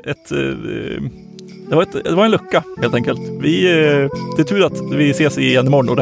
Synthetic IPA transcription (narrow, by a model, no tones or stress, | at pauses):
ɛt̪ | d̪̥ɛvaɾɛt̪d̪ɛvaɾɛnlɵkːaheːlt̪ɛŋkəlt̪vɪ | d̪̥ɛt̪ʰʉːɾat̪vɪseːsɪjɛnːɪmɔɳːɔd̪ɛ